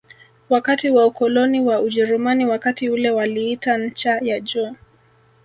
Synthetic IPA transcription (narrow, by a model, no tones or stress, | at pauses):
wakatiwaukɔlɔniwauʄɛɾumaniwakatiulɛwaliitaɲ̩t͡ʃajad͡ʒɔː